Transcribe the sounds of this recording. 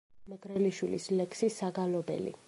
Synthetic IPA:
mɛɡɾɛliʃwilḭslɛksisːaɡalɔbɛ̰lḭ

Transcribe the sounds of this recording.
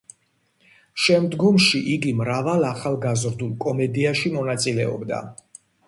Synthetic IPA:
ʃɛmd̪ɡɔmʃiʔiɡimɾavalˠaχalˠɡazɾd̪ulˠkʼɔmɛd̪iaʃimɔnat̪sʼilɛɔ̰bd̪a̰

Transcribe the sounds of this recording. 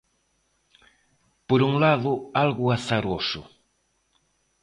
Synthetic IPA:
poɾuŋlaðʊalɣʊaθaɾosʊ

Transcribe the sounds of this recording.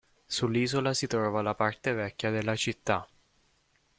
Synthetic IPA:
sulːiːzolasit̪ɾɔːvalapart̪evɛkʲːjad̪elːat͡ʃit̪ːa

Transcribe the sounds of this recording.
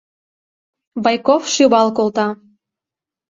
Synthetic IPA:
bɑjkofʃyβɑlkolt̪ɑ

